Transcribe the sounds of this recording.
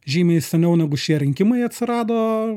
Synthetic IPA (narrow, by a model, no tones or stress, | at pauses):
ʒʲiːmʲɛɪsʲɛnʲɛʊnʲɛæɡʊʃʲiɛɾʲɪŋʲkʲɪmɐɪɐt̪ʲsʲɪɾɑːd̪oː